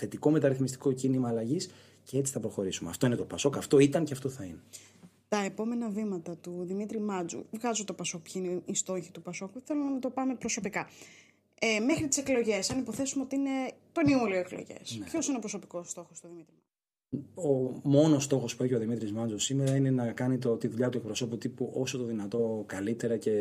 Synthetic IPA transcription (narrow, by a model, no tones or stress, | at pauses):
θe̞t̪iko̞me̞t̪ɐɾiθmist̪i̥ko̞cinimɐːlɐʝis | ceet͡si̥θɐpɾo̞xo̞ɾisumeɐ̰ft̪o̞inet̪o̞pɐso̞kɐft̪o̞it̪ɐnceɐft̪o̞θɐine | t̪ɐepo̞me̞nɐvimɐt̪ɐt̪uðimit̪ɾimɐd͡zṵvɣɐzot̪o̞pɐso̞k̚pçɐineist̪o̞çit̪upɐso̞kuθelumnɐt̪o̞pɐme̞pɾo̞so̞pikɐ | eme̞xɾit̪i̥se̞klo̞ʝe̞sɐnipo̞θe̞sumeot̪iine̞t̪o̞niulioeklo̞̰ʝḛspço̞sineo̞pɾoso̞piko̞st̪o̞xost̪uðimit̪ɾimɐd͡zu | omo̞no̞st̪o̞xo̞spueçio̞ðimit̪ɾizmɐnd͡zosimeɾɐine̞nɐkɐnit̪ot̪iðuʎɐt̪ue̞k̚pɾo̞so̞put̪ipuʔo̞sot̪oðinɐt̪o̞kɐlit̪e̞ɾɐce̞